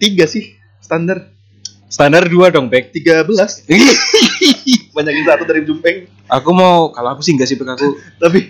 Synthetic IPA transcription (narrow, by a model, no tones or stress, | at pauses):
t̪iɡasɪh | sə̥t̪andar | st̪andarduadɔŋpɛk̚t̪iɡabəlasi | baɲakinat̪ud̪aɾid͡ʒumpɛŋ | ʔakumaukaloakusɪŋɡasihpɛkakut̪ap̬ɪ